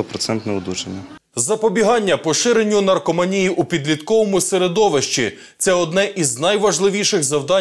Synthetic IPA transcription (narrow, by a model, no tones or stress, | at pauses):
ɔpɾɔt̪sɛnt̪nɛʊd̪ut͡ʃenʲːɐ | zɐpɔbʲiɦɑnʲːɐpɔʃɪɾe̞nʲːʊnɐrkɔmɐnʲijiʔupʲid̪lʲit̪kɔʋɔmʊseɾed̪ɔʋeʃt͡ʃi | t̪sɛɔd̪nɛʔiznɐjʋɐʒlˠɪʋʲijʃɪɣzɐwd̪ɑ